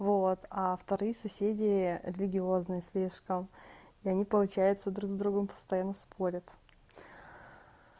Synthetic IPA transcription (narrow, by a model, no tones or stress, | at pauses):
vot̪aft̪ɐɾɨjəsɐsʲedʲɪɾʲɪlʲɪɡʲɪo̞znɨjəsʲlʲiʂkəmiɐnʲipəlˠʊt͡ɕæjʊt̪səd̪ɾuɡzd̪ɾuɡəmpə̥st̪ɐjanːəspʰo̞ɾʲət̪